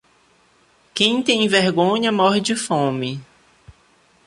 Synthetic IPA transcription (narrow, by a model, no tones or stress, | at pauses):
kẽj̃t̪ẽj̃ĩveɾɡõɲɐmɔɦɪd͡ʒɪfõmɪ